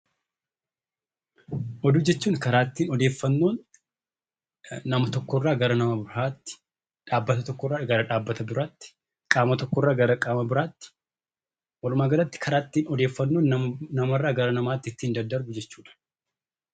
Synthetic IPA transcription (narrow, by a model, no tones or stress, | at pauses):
ʔɔd̪uːd͡ʒɛt͡ʃːuːŋkɐɾaːt̪ːiːnɔd̪eːfːɐnːoːn | ɐmɐt̪ɔkːɔrːaːɡɐɾɐnɐmɐbɪɾhaːt̪ːɪ̥ | ᶑaːbːɐt̪ɐt̪ɔkːɔrːaːɡɐɾɐᶑaːbːɐt̪ɐbɪɾaːt̪ːɪ̥ | kʼaːmɐt̪ɔkːɔrːaːɡɐɾɐkʼaːmɐbɪɾaːt̪ːɪ̥ | wɐlʊmaːɡɐɾɐt̪ːɪ̥kʰɐɾaːt̪ːiːnɔd̪e̞ːfːɐnːoːnnɐmɐrːaːɡɐɾɐnɐmaːt̪ːɪɪt̪ːiːnd̪ɐnd̪ɐɾɡʊd͡ʒɛt͡ʃːuːᶑɐ̥